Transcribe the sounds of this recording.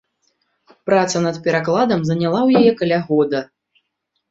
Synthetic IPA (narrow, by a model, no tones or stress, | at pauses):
pɾat̪sɐnɐt̪pʲɛɾaklˠad̪ɐmzɐnʲalˠawjajɛkɐlʲaɣɔd̪ɐ